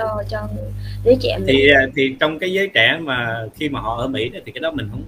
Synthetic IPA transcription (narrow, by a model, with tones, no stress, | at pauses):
t͡ɕɔ˧zəː˨˦t͡ɕɛ̰˧˩˨mʰi˨˩˨t̪ʰi˨˩t͡ɕɔ˧wŋ͡mkaː˨˦jzəː˨˦jt͡ɕaː˧˩maː˨˩xi˧maː˨˩hɔ̰˧˨ʔəː˧˩mḭ˧˥ɗɔ˨˦t̪i˨˩kaː˨˦jɗɔ˨˦mï˨˩ŋ̟ɦə˧˦wŋ͡m